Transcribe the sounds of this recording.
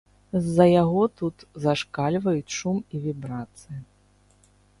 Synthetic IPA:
zːɐjaɣɔt̪ut̪zaʂkalʲvɐjut͡sʲʂumivʲibɾat̪sɨji

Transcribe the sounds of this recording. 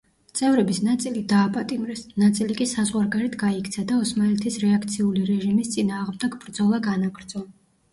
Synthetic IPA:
t̪sʼɛvɾɛbisnat̪sʼilid̪aːpʼat̪ʼimɾɛsnat̪sʼilikʼisazʁwaɾɡaɾɛt̪ʰɡaikʰt̪sʰad̪aɔsmalɛt̪ʰisɾɛakʰt̪sʰiuliɾɛʒimist̪sʼinaːʁmd̪ɛɡbɾd̪zɔlˠaɡanaɡɾd̪z̥ɔ

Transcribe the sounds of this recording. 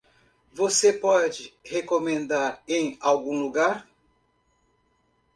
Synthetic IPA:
vosepɔd͡ʒɪhekomẽnd̪aɾẽj̃awɡũluɡaɾ

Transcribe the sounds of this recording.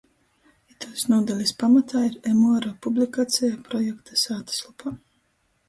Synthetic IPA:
it̪alʲˠisnuɔd̪alʲispamat̪ʰaːiɾemɔɾapublʲikat̪sʲɛjapɾɔjɛkt̪asaːt̪ḁslˠupʰa

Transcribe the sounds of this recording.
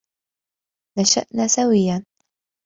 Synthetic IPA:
naʃa̰ʔnaːsawɪjːan

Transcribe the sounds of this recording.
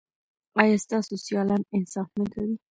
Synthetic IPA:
ɑjɑst̪ɑsosjɑlɑnɪnsɑfməd̪awi

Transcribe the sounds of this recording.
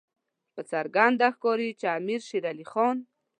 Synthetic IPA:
pət͡saɾɡand̪axkoɾit͡ʃamiɾʃiɾalixɔn

